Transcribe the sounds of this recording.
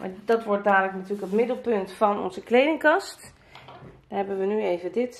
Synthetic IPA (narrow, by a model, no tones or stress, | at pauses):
mʔa̰dɑtʋɔɹt̚daːdələknatyːɹləkətmɪdəlˠpɵntfɑnɔ̰nzəklejdɪŋkɑst | daɦɛbənʋənyejvədɪt